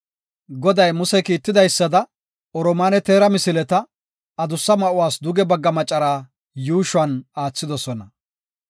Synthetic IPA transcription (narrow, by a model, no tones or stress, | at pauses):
ɡɔd̪ɐjmʊsɛkiːt̪ːɪd̪ɐjsːɐd̪ɐ | ɔɾɔmaːnɛt̪eːɾɐmɪsɪlɛt̪ɐ | ɐd̪ʊsːɐmɐʔʊwaːsd̪ʊɡɛbɐɡːɐmɐt͡ʃʼːɐɾaː | juːʃʊɐnaːt͡sːɪd̪ɔsɔnɐ